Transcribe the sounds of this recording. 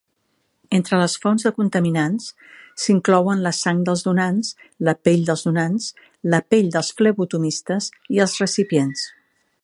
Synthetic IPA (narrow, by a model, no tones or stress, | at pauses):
ent̪ɾələsfɔnzðəkunt̪əminans | siŋklɔwənləsaŋd̪əlˠzðunans | ləpeʎd̪əlˠzðunans | ləpeʎd̪əlˠsflɛβut̪umist̪əz | iəlˠzrəsipjens